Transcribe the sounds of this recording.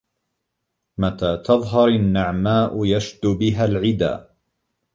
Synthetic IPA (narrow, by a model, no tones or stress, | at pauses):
mat̪aːt̪ɑðˤɦɑɾanːaʕmaːʔʊjaʃd̪ʊbɪɦalʕɪd̪a̰ː